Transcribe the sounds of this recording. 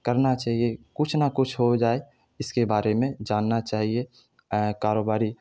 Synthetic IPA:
kəɾnat͡ʃaːɦiekʊt͡ʃʰnakʊt͡ʃʰɦod͡ʒaːe | ɪskebaːɾemẽd͡ʒaːnːat͡ʃaːɦie | kaːɾoːbaːɾi

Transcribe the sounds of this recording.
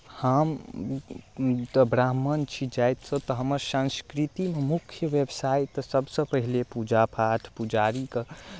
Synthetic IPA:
həm | t̪ɔbɾaɦmənt͡ʃʰid͡ʒajt̪sə̃t̪ɔɦəməɾsãnskɾit̪imemukʰjəʋebsait̪ːsəbsə̃pəɦilepud͡ʒapʰaʈʰpud͡ʒaɾikə

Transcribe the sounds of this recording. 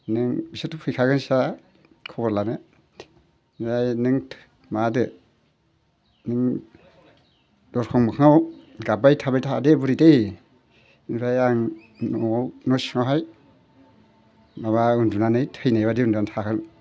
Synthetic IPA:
nɯŋbisɯtʰːupʰɯjkʰaɡɯnsa | kʰɔbɔɾlanɯ | najnɯŋʰ | madɯ | nɯŋ | dɔɾkʰɔŋmɯkʰŋawɡabajtʰabajtʰadebuɾidej | ɯnɾajaŋ | nɔnɔsŋawɦaj | maβaɯndunanɯjtʰɯjnajβadiunduantʰakʰɯl

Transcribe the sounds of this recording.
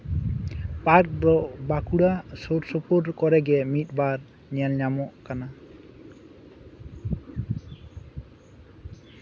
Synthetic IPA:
paɾk̚d̪ɔʔbakuɽasoɾsɔpɔɾkɔɾɛɡɛmit̪̚ˀbaɾ | ɲɛlɲamɔʔkana

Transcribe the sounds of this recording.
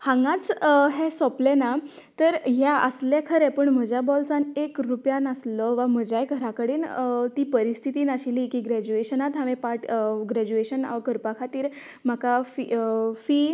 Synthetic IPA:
hãŋɡãt͡sɦesɔplena | t̪əɾɦjaʔə̰sljakʰəɾepəɳm̤əd͡ʑabɔlsanekɾupjanəslɔʋam̤əd͡ʑajɡʱəɾakəɽiːnt̪iːpəɾist̪ʰit̪iːnaɕilikiɡɾæd͡ʑueɕənat̪ɦaʋẽpaʈɡɾæd͡ʑueɕənkəɾpakʰat̪iːɾ | m̤akafifi

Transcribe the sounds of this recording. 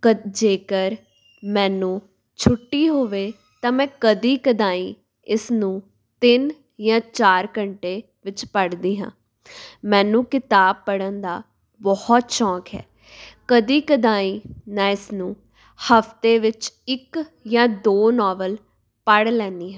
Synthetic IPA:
əd͡ʒeːkəɾ | mɛ̃ːnũː | t͡ʃʰʊʈːiːɦoːʋeː | t̪ãːmɛ̃ːkəd̪iːkəd̪ãːĩː | ɪsnũː | t̪ɪn | jãːt͡ʃaːɾkəɳʈeː | ʋɪt͡ʃpəɽd̪iːɦã̰ː | mɛ̃ːnũːkɪt̪aːb̚pəɽənd̪aː | bɔhɔt̪t͡ʃɔ̃ːkɦɛ̰ː | kəd̪iːkəd̪aːiːnãːɪsnũː | həfʰt̪eːʋɪt͡ʃɪkjãːd̪oːnɔːʋəl | pəɽlɛ̃ːnd̪iːɦãː

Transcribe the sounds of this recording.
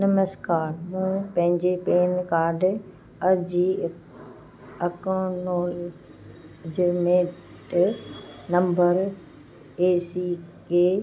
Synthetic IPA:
nɐməskaːɾmũːpɐ̃ɦɪ̃ɲd͡ʑepeːnkaːɾɖ | ɐɾd͡ʑi | ɐkõnoːl | d͡ʑemeː | ʈ | nɐ̃mbəɾ | eːsiːkeː

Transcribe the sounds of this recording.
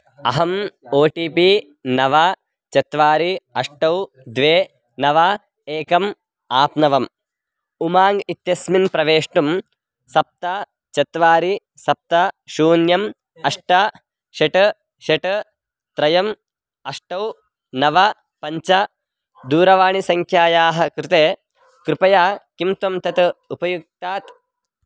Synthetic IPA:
ɐ̰ɦɐmoːʈiːpi | nɐʋɐ | t͡ʃɐt̪ʋaːɾiɐʂʈɐw | d̪ʋeː | nɐʋɐ | eːkɐm | aːpnɐʋɐm | umaːŋɡit̪jɐsminpɾɐʋeːʂʈum | sɐp̚t̪ɐ | t͡ʃɐt̪ʋaːɾi | sɐp̚t̪ɐʃuːnjɐm | ɐʂʈɐ | ʃɐʈɐ | ʃeʈɐ | t̪ɾɐjɐm | ɐʂʈɐw | nɐʋɐ | pɐɲt͡ʃɐ | d̪uːɾɐʋaːɳisɐŋkʰjaːjaːɦɐ̆kɾɪt̪eː | kɾɪpɐjaːkimt̪ɐmt̪ɐt̪ɐupɐjuk̚t̪aːt̪

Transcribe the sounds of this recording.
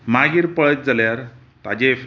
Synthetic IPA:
maɡiɾpəɭət̪̚d͡zaljaɾ | t̪ad͡ʑef

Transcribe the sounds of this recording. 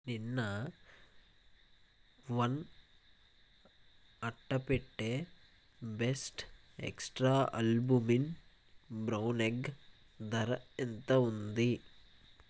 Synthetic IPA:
ninːɐ | ʋɐn | ɐʈːɐpeʈːe | besʈ | ḛksʈɾaːʔɐ̰lbumin | bɾɐwneɡ | d̪ɐɾɐent̪ɐund̪i

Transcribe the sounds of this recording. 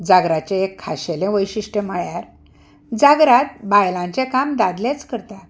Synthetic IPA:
d͡zaɡɾat͡ɕẽekʰːaɕelẽʋəjɕiʂʈə̃majaɾ | d͡zaɡɾat̪̚bajlãɲt͡ɕekamd̪ad̪let͡skəɾt̪at̪

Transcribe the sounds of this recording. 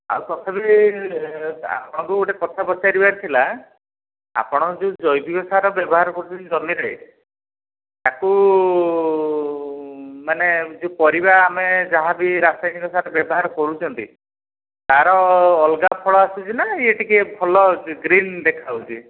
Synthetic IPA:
a̰wkɔt̪ʰabi | a̰pɔɽ̃ɔ̃ŋkuoʈekɔt̪ʰabɔt͡ʃaɾibaɾit̪ʰila | a̰pɔɽ̃ɔ̃d͡ʒud͡ʒɔjb̪ikɔsaɾɔbjɔbɔɦaɾɔkɔɾut͡ʃʰɔnd͡ʒɔmiɾɔḭ | t̪aku | maned͡ʒupɔɾibaːmed͡ʒaɦabiɾasajnikɔsaɾɔbjɔbɔɦaɾɔkɔɾut͡ʃʰɔnt̪ḭ | t̪aɾɔːlɡapʰɔɭɔasut͡ʃʰinaeʈikebʱɔlɔɡɾind̪ekʰauwt͡ʃʰi

